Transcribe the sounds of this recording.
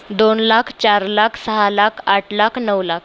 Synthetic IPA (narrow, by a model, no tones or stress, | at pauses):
d̪onlakʰt͡ɕaɾlakʰsəɦalakʰaʈʰlakʰnəʋlakʰ